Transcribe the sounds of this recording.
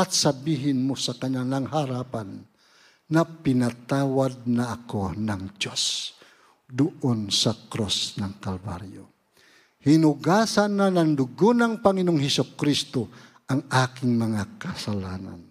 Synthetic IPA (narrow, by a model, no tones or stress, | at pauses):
at̪sabiɦɪnmusakaɲanaŋɦaɾapanː | apinat̪awad̪̚naːkonaŋd͡ʒos | d̪uʔonsakɾosnaŋkalba̰ɾjo | hinuɡasanːanaŋd̪uɡunaŋpaŋinoŋhɛsukɾist̪o | ʔaŋakɪŋmɐŋakasalana̰n